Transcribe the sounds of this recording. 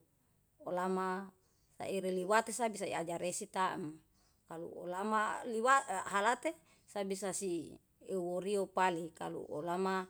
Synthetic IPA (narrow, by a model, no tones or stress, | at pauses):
olama | sa̰iɾeliwat̪esabisaḭad͡ʒaɾesit̪am | kalṵo̰lamaliwaɦalat̪e | sabisasi | euwoɾiopalika̰lṵʔo̰lama